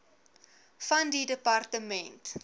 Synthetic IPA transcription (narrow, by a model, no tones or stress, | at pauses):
fɐndidəpɐrtəmɛnt